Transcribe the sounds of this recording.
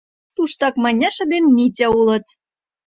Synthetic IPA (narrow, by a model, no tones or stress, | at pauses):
t̪uʃt̪ɑkmɑnʲɑʃə̆d̪enmʲitʲɘ̆ulɤ̆t̪